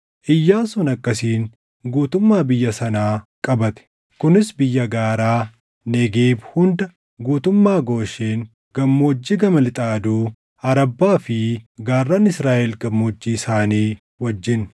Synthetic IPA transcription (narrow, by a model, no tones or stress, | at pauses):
ʔɪjːaːnsʊnɐkːɐsiːn | ɡuːt̪ʊmːaːbɪjːɐsɐnaːkʼɐbɐt̪ɛ̥ | kʊnɪsbɪjːɐɡaːɾaː | nɛɡeːbhʊnd̪ɐ | ɡuːt̪ʊmːaːɡo̞ːʃeːŋ | ɡ̥ɐmːoːd͡ʒːiɡɐmɐlɪt̪ʼaːd̪uː | ɐɾɐbːaːfɪɡaːrːaːnɪsɾaːʔɛlɡɐmːoːd͡ʒːiːɪsaːniː | wɐd͡ʒːɪn